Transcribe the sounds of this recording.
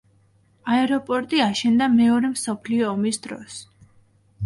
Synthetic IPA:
aɛɾɔpʼɔɾt̪ʼiaʃɛnd̪amɛɔɾɛmsɔpʰliɔːmisd̪ɾɔ̰s

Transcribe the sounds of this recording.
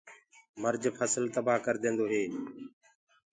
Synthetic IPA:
məɾd͡ʒpʰəsəlt̪əbaːkəɾd̪ẽːnd̪oːɦeː

